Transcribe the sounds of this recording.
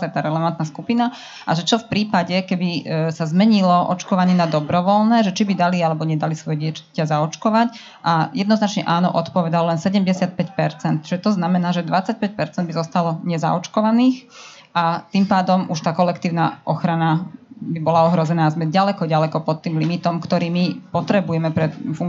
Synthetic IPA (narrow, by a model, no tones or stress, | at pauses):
zajt̪aːɾɛlɛʋant̪naskupina | ʔa̰ʒɛt͡ʃɔfpɾiːpaɟɛkɛbisazmɛɲilɔʔɔ̰t͡ʃkɔʋaɲɪɛnad̪ɔbɾɔʋɔlnɛːʒɛt͡ʃibid̪alialɛbɔɲɛd̪alisʋɔjɛɟɪɛt͡ʃḁcazaɔt͡ʃkɔʋac | ʔajɛd̪nɔznat͡ʃɲɛʔaːnɔ̰ʔɔt̪pɔʋɛd̪alɔlɛnsɛɟɛmɟɛsɪat̪̚pɛcpɛɾt͡sɛnt̪̚t͡ʃiʒɛt̪ɔznamɛnaːʒɛd̪ʋat͡sac̚pɛc̚pɛɾt͡sɛnd̪bizɔst̪alɔɲɛza̰ɔt͡ʃkɔʋaniːx | ʔat̪impaːd̪ɔmuʃt̪aːkɔlɛkt̪iːʊna̰ʔɔxɾanabibɔlaɔɦɾɔzɛnaːzmɛɟalɛkɔɟalɛkɔpɔt̪ːiːmlimit̪ɔmkt̪ɔɾiːmipɔt̪ɾɛbujɛmɛpɾɛfuŋ